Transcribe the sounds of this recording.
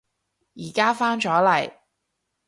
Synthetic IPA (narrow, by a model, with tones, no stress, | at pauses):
jiː˨˩kaː˥faː˥nt͡ʃɔː˨˥lɐ˨˩j